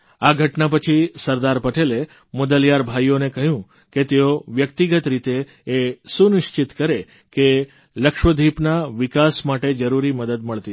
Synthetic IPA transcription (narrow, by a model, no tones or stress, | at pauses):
aɡʱəʈnapət͡ʃʰisəɾd̪aɾpəʈele | mod̪əljaɾbʱajonekəɦjũ | ket̪eoʋjək̚t̪iɡət̪ɾit̪eː | sunɪʃt͡ʃɪt̪kəɾe | ke | ləkʃʋəd̪ʱipnaʋɪkasmaʈed͡ʒəɾuɾiməd̪əd̪̚məɭt̪i